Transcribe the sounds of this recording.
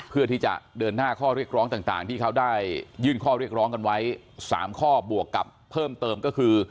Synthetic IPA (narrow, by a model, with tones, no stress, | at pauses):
pʰɯ˥˩ɐt̪ʰiː˥˩t͡ɕa̰˨˩dɤː˧nːaː˥˩kʰɔː˥˩ɾi˥˩ək̚ɾɔː˦˥ŋt̪aː˨˩ŋt̪a̰ː˨˩ŋt̪ʰiː˥˩kʰa˦˥wdaː˥˩jːɯː˥˩nkʰɔː˥˩ɾi˥˩ək̚ɾɔː˦˥ŋka˧nwa˦˥j | sa̰ː˩˦mkʰɔː˥˩bu˨˩əkːa̰˨˩pʰːɤː˥˩mt̪ɤː˧mkɔː˥˩kʰɯː˧